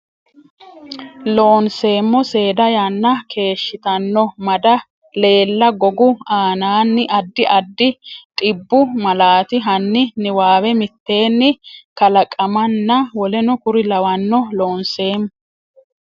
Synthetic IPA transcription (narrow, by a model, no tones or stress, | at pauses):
loːnse̞ːmːɔse̞ːd̪ɐjɐnːɐkʰe̞ːʃːɪt̪ɐnːɔmɐd̪ɐ | le̞ːlːɐɡɔɡʊaːnaːnːɪʔɐd̪ːɪʔɐd̪ːɪt̪ʼɪbːʊmɐlaːt̪ɪɦɐnːɪnɪwaːwɛmɪt̪ːe̞ːnːɪkɐlɐkʼːɐmɐnːɐwɔlɛnʊkʊɾɪlɐwɐnːɔlo̞ːnse̞ːmː